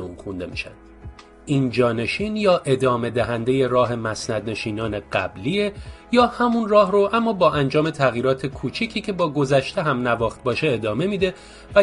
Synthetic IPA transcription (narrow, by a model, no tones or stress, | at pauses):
unxund̪e̞mḭʃæ̰nd̪̥ | ʔiːnd͡ʒɒːne̞ʃiːnjɒːʔe̞d̪ɒːme̞d̪æɦænd̪e̞je̞ɾɒːɦe̞mæsnæd̪ne̞ʃiːnɒːne̞ɢæ̰bliejɒːhæmunrɒːɦroʔæmːɒːbɒːʔænd͡ʒɒːme̞t̪ʰæɣjiːɾɒːt̪ʰe̞kʰuːt͡ʃʰicʰiːcʰe̞bɒːɡo̞zæʃt̪e̞ɦæmnævɒːxt̪̚bɒːʃe̞ːd̪ɒːme̞miːd̪e̞ | væ